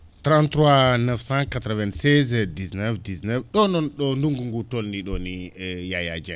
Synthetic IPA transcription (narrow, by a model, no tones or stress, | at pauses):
t̪ɾãntɾwanɛfsãkat̪ɾɔvɛ̃nsɛzdisnɛfdiznɛfɗɔnɔnɗɔnduŋɡuŋɡutɔlniɗɔnijajad͡ʒɛ̃